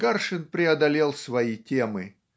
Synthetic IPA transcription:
ɡarʂɨnpɾʲɪɐd̪ɐlʲelˠsvɐitʲemɨ

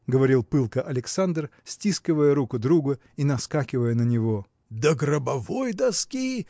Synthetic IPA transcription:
ɡəvɐɾʲilˠpɨlˠkəʔɐlʲɪksand̪rsʲtʲiskʲɪvəjəɾukʊd̪ɾuɡə | inɐskakʲɪvəjənənʲɪvo̞ | d̪əɡɾəbɐvojd̪ɐskʲi

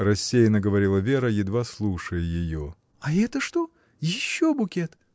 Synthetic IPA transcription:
rɐsʲːejnəɡəvɐɾʲilˠəvʲeɾəjɪd̪vaslˠuʂəjəjɪjo | ɐɛt̪əʂt̪o | jɪɕːobʊkʲet̪

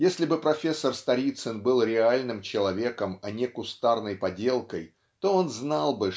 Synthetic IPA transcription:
jesʲlʲɪbɨpɾɐfʲe̞sːərst̪ɐɾʲit̪sɨnbɨlˠɾʲɪalʲnɨmt͡ɕɪlˠɐvʲe̞kəmɐnʲeɛkʊst̪arnəjpɐdʲe̞lˠkəj | t̪o̞o̞nznalˠbɨ

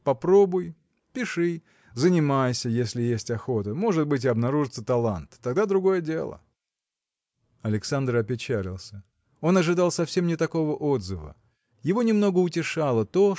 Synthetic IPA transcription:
pɐpɾo̞bʊj | pʲɪʂɨ | zənʲɪmajsʲəjesʲlʲɪjesʲtʲɐxot̪əmo̞ʐɨt̪̚bɨt̬ʲɪɐbnɐɾuʐɨt̪sət̪ɐlˠant̪ːɐɡd̪ad̪ɾʊɡo̞jədʲe̞̰lˠə̰ | ɐlʲɪksand̪rɐpʲɪt͡ɕælʲɪ̰lˠsʲə | o̞nɐʐɨd̪alˠsɐfsʲe̞mnʲɪt̪ɐko̞vəʔo̞d̪zəvə̰ | jɪvo̞nʲɪmno̞ɡəʊtʲɪʂalˠət̪o̞

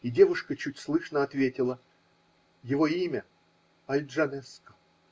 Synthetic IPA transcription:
ɪdʲe̞vʊʂkət͡ɕutʲslˠɨʂnəɐt̪vʲetʲɪlˠə | jɪvo̞imʲə | ɐlʲʐɐnɛskə̥

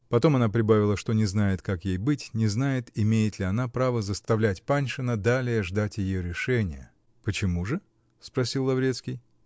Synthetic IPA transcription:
pɐt̪o̞mɐnapɾʲɪbavʲɪlˠəʂt̪o̞nʲɪznajɪt̪kakjejbɨtʲnʲɪznajɪt̪ɪmʲejɪt̪lʲɪɐnapɾavəzəst̪ɐvlʲætʲpanʲʂɨnəd̪alʲɪjəʐd̪atʲjɪjoɾʲɪʂɛnʲɪ̰jə | pət͡ɕɪmuʐɨ | spɾɐsʲilˠːɐvɾʲe̞t̪skʲɪj

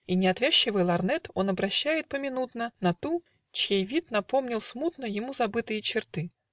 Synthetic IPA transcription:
inʲɪɐt̪vʲæɕːɪvɨjlˠɐrnɛt̪o̞nɐbɾɐɕːæjɪt̪̚pəmʲɪnut̪nənɐt̪u | t͡ɕjejvʲit̪nɐpo̞mnʲɪlˠsmut̪nəjɪmuzɐbɨt̪ɨjət͡ɕɪrt̪ɨ

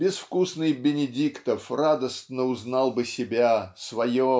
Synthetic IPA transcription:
bʲɪsfkusnɨjbʲɪnʲɪdʲikt̪əfrad̪əst̪nəʊznɑlˠbɨsʲɪbʲasvɐjo

